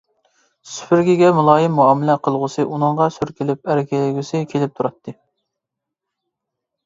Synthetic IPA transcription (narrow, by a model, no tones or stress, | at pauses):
sy̥pʰɪɾɡʲiɡʲɛmulˠɑːjɪmːuɑːmɪlɛqʰəlˠʁʊsɨʔunɨŋʁɑsyɾkʲilɪp̚æɾɪkʲɛlɪɡʲysɪkʲʰelɪp̚t̪ʰuɾɑt̪ʰːɨ